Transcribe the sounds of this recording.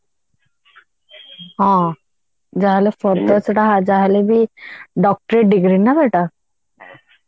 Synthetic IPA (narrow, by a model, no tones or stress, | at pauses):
ɦã | d͡ʑaɦalefəɾt̪ət͡sʈaɦad͡zaɦalebʱiːɖɔk̚ʈɾeʈɖiɡɾiːnabeʈa